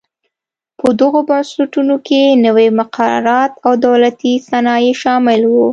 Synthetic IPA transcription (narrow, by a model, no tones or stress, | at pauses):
pəd̪əɣobɑnsɪʈunokenəwemʊqʰaɾɑ̰ɾɑt̪awd̪awlat̪isanɑjeʃɑmɪlwu